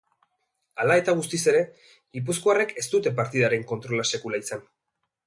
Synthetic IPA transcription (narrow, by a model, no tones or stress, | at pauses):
alae̞t̪aɣ̞ust̪ise̞ɾe̞ | ɣip̬uskoare̞ke̞st̪ut̪e̞paɾt̪iðaɾe̞ŋko̞nt̪ɾo̞lase̞kulaisan